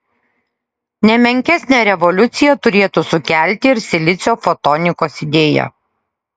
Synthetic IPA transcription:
nʲɛmʲɛŋʲkʲɛsʲnʲeːɾʲɛʋɔlʲʊt̪sʲɪjɛt̪ʊɾʲeːt̪usʊkʲæˑlʲt̪ʲɪɪɾsʲɪlʲɪt̪sʲoːfɔt̪ɔnʲɪkoːsɪd̪ʲeːjɛ̰

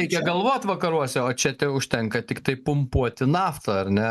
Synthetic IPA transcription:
ɛɪkʲɛɡɐlˠʋoːt̪ʲʋɐkɐɾuɔsʲɛoːt͡ʃʲɛt̪ʲɛʊʃʲt̪ʲɛŋkɐt̪ʲɪkt̪ɐɪpʊmpuɔt̪ʲɪnɑːft̪ɐɐrnʲɛ

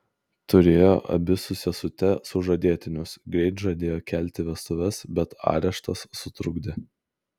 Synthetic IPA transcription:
t̪ʊɾʲeːjo̰ːʔɐ̰bʲɪsʊsʲɛsʊt̪ʲɛsʊʒɐd̪ʲeːt̪ʲɪnʲʊsɡɾʲɛɪt̪ʒɐd̪ʲeːjoːkʲɛˑlʲˑt̪ʲɪʋʲɛst̪ʊʋʲɛsbʲɛt̪ɑ̰ːɾʲɛʃt̪ɐsːʊt̪ɾʊɡd̪ʲɪ

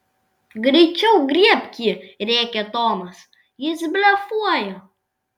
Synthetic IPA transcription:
ɡɾʲɛɪt͡ʃʲɛʊɡɾʲiɛpʲkʲiːɾʲæːkʲɛt̪oːmɐs | jɪsbʲlʲɛfuɔjo

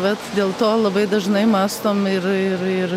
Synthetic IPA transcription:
ʋɐt̪d̪ʲeːlˠt̪oːlˠɐbɐɪd̪ɐʒnɐɪmɑːst̪oːmɪrɪrɪr

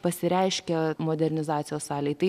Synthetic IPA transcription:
pɐsʲɪɾʲɛɪʃʲkʲɛmoːd̪ʲɛɾʲnʲɪzɑːt̪sʲɪjoːssɑːlʲɛɪt̪ɐɪ

